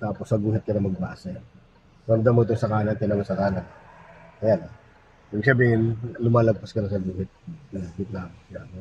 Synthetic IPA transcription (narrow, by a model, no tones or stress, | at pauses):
t̪aːposːɐɡuːhɪt̪̚kɐnɐmɐɡ̚ba̰ʔasɐ | pond̪ɐmoɪt̪oŋsɐkaːnɐnkɐnɐmɐsɐkaːnɐnʔɐjana | ibɪɡ̚sɐbiːhɪnlʊmaːlɐɡ̚pɐskɐnɐsɐɡuːhɪt̪̚ɐnaɡɪt̪̚namɪsam